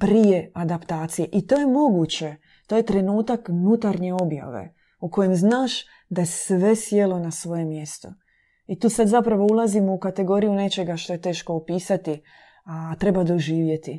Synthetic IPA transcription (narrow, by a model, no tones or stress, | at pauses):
pɾije̞ad̪apt̪aːt̪sije̞ʔit̪o̞ːje̞mo̞ɡut͡ɕe̞ | t̪o̞je̞t̪ɾe̞nuːt̪aknut̪aɾɲe̞o̞bja̰ʋḛ | uko̞jemznaːʃ | d̪ajesʋe̞sjelˠo̞nasʋoje̞mje̞st̪o | it̪uːsad̪zapɾaʋo̞ulˠazimoukat̪e̞ɡo̞ɾijune̞t͡ʃe̞ɡaʃt̪o̞je̞t̪e̞ːʃko̞ːpiːsat̪i | at̪ɾe̞bad̪o̞ʒiːʋje̞t̪i